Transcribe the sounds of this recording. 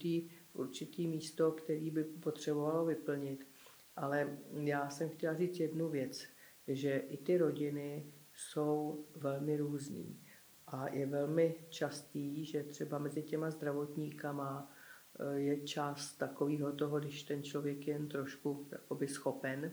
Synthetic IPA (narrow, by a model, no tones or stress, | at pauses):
t̪iːʔṵɾt͡ʃɪt̪iːmiːst̪o̞kt̪ɛɾiːbɪpo̞t̪r̝̥ɛbo̞valovɪpl̩ɲɪt̪ | ʔalɛjaːsɛmxcɛlariːt͡sjɛdnuvjɛt͡s | ʒɛʔɪt̪ɪɾo̞ɟɪnɪ | so̞wvɛlmɪɾuːznḭː | ʔajɛvɛlmɪt͡ʃast̪iːʒɛt̪r̝̥ɛbamɛzɪcɛmazd̪ɾavo̞t̪ɲiːkama | jɛt͡ʃast̪t̪ːako̞viːɦo̞t̪o̞ɦoɡdɪʃt̪ɛnt͡ʃlo̞vjɛkjɛjɛnt̪ɾo̞ʃkuja̰ko̞bɪsxo̞pɛn